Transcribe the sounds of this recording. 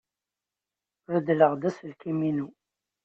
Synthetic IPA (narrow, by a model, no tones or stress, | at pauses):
ɾəd̪ləʁd̪æslkiminu